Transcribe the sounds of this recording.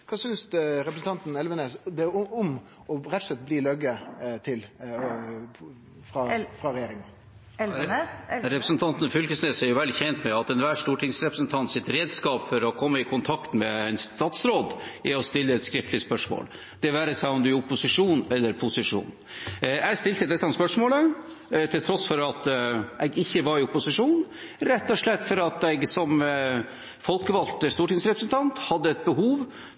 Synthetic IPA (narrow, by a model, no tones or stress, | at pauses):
kʰɑːsʏnsɾɛpɾəsn̩t̪ʰɑnt̪n̩ɛlʋəneːsd̪ɛʊm | ɔɾɛt̪ːslɛt̪̚ːbliːlœɡət̪ʰɪl | fɾɑfɾɑɾɛjeːɾɪŋən | ɾɛpɾəsnt̪ʰɑnt̪nfʏlkəsneːsɛɾjʊʋɛld̪çɛnt̪mɛɑt̪ɛnʋæːʂt̪uːʈʰɪŋsɾɛpɾəsnt̪ʰɑnt̪sɪt̪ɾeːd̪skɑːpfɔɾɔkʰɔmːəɪkʰʊnt̪ʰɑkt̪mɛɛnst̪ɑːt̪sɾoːd̪ʔɪɔst̪ɪlːəɛt̪skɾɪft̪lɪəspœʂmo̰ːl | d̪̥ɛʋæːɾəsɑɔmd̪ʉʊpʊsɪʂuːnɛlːəɾpʰʊsɪʂṵːn | æɪɡst̪ɪlt̪əd̪ɛt̪ːəɑnspœʂmoːlə | t̪ʰɪlt̪ʰɾɔsfɔɾɑt̪ɛɡɪçːəʋɑɾɪʊpʊsɪʂuːn | ɾɛt̪ːɔʂɭɛt̪ːfɔɾɑt̪ɛɡsɔm | fɔlkəʋɑlt̪əst̪uːʈɪŋsɾɛpɾəsnt̪ʰɑnt̪hɑd̪ːəɛt̪̚bəɦuːʋ